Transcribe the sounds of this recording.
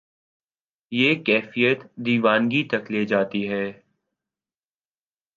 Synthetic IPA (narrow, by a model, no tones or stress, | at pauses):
jeːkɛːfijət̪d̪iːʋaːnɡit̪ɐkleːd͡ʒaːt̪iɦɛː